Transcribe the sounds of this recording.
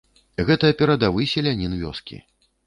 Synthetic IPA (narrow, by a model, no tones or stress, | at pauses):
ɣɛt̪ɐɐpʲɛɾɐd̪avɨsʲɛlʲanʲinvʲɔ̰skʲḭ